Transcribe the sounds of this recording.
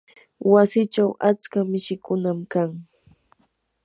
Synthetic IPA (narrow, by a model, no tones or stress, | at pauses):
wasɪt͡ʃawat͡skamɪʃɪkʊnamkaŋ